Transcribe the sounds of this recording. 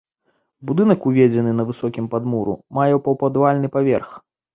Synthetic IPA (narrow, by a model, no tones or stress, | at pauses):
bud̪ɨnɐkuvʲed͡zʲɛnɨnɐvɨsɔkʲimpad̪muɾṵmajɛwpɐwpad̪valʲnɨpavʲɛ̰rx